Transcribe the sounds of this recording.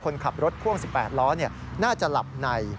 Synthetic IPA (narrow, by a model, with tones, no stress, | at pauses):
kʰo˧nkʰa˨˩p̚ɾo˦˥t̪̚kʰu˥˩əŋsi˨˩pːɛː˨˩t̪̚lɔː˦˥ni˥˩ɐ | naː˥˩t͡ɕa˨˩la˨˩p̚na˧j